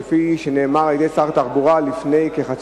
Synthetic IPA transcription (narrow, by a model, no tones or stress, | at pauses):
fiʃene̞ːmaʁajed̪ejt͡saʁt̪aχbuʁalifne̞jke̞χat͡s